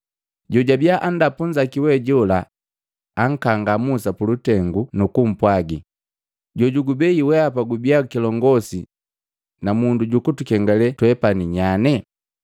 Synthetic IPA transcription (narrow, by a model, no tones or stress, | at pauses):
ɟɔɟabjaʔandapuɲd͡ʒakiwɛɟɔlaː | ŋ̩kaŋɡamusapulutɛŋɡunukum̩pwaɡi | ɟɔɟuɡubɛiwɛapaɡubjakilɔŋɡɔsi | namunduɟukutukɛŋɡalɛtwɛpaniɲanɛ